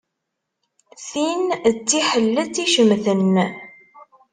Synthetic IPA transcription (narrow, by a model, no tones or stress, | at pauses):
θint͡sːiħəlːət͡sːiʃəmθənː